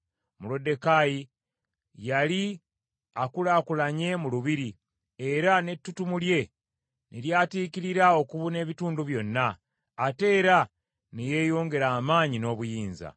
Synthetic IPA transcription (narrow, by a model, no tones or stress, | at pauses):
mulo̞de̞kaji | jali | akulaːkulaɲe̞muluβiɾi | e̞ɾane̞tːutumulje̞ | nʔiɾjaːtiːkiɾiɾao̞kuβune̞ːβituːnduβjo̞nːaː | te̞ːɾa | nije̞ːjoːŋɡe̞ɾaːmaːɲino̞ːβujiːnza̰